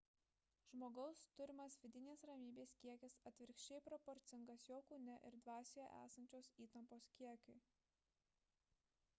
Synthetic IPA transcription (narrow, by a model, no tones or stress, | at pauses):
ʒ̥moːɡɒʊst̪ʊɾʲɪmɐsʋʲɪd̪ʲɪnʲeːsɾɐmʲiːbʲeːskʲiɛkʲɪsɐt̪ʲʋʲɪɾʲkʃʲt͡ʃʲɛɪpɾɔpɔɾʲt̪sʲɪŋɡɐsjoːkuːnʲɛʔɪɾd̪ʋɑːsʲejo̰ʔæ̰ːsɐnʲt͡ʃʲoːsiːt̪ɐmpoːskʲiɛkʲʊɪ